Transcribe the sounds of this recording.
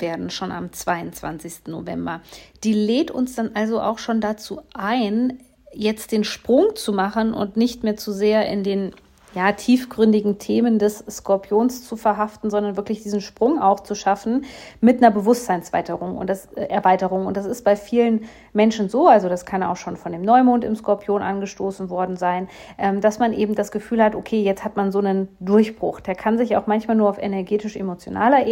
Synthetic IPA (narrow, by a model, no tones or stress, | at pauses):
veːɐdn̩ʃoːna̰mt͡sv̥aɪʊnt͡sv̥a̰nt͡sɪçstn̩no̰vɛ̰mbɐ̰d̥iːleːtʊ̰nsd̥anʔalzoʔa̰ʊxʃoːndat͡suːʔaɪn | jɛt͡st̚d̥eːnʃpʁ̥ʊŋt͡sumaχənʔʊ̰ntnɪçtmeːɐt͡suzeːɐʔɪ̰ndeːn | jaːtʰiːfɡ̥ʁʏndɪɡŋ̩tʰeːməndɛsskʰɔɐpʰjoːnst͡sufɛɐɦaftn̩zɔndɐnvɪɐklɪçd̥iːzn̩ʃpʁ̥ʊŋa̰ʊxt͡suʃafn̩mɪtnɐbəvʊstz̥aɪnsv̥a̰ɪtəʁʊŋʊ̰ntd̥asʔɛɐvaɪtəʁ̞ʊŋʊntd̥asɪst̚b̥aɪfiːlən | mɛnʃn̩zoːʔalzodaskʰana̰ʊxʃoːnfɔndeːmnɔʏmoːntɪmskɔɐpʰjoːnʔanɡəʃtoːsn̩vɔɐdn̩zaɪn | ʔɛːmd̥asmanʔeːbm̩dasɡ̥əfyːlhatʔokʰeːjɛt͡sthatmanzoːnəndʊɐçb̥ʁʊ̰xd̥eːɐkʰanzɪçaʊxmançmaːlnuːɐaʊfʔɛnɛɐɡeːtɪʃʔḛmot͡sjo̰nʔa̰ːlɐʔ